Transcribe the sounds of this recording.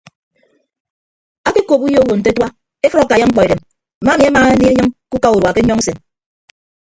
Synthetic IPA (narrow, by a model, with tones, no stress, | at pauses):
a˦ke˦ko˨pu˦jo˦wo˨n̩˨t̬e˦twa˦ | e˦fɔ˦ɾa˨ka˨ja˦ŋ͡m̩˦k͡pɔ˨e˨ɾe˨m | m̩˨˦ma˦mi˨˦a˦ma˨˦ni˦e˦ɲɨ˦ŋku˦ka˦u˨ɾwa˨ke˦ɲɔ˦ŋ˦se˨n